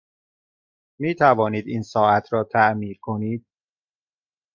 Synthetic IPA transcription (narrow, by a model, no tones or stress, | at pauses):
miːt̪ʰævɒːniːd̪iːnsɒːʔæt̪ʰɾɒːt̪ʰæʔmiːɾkʰo̞niːd̪̥̚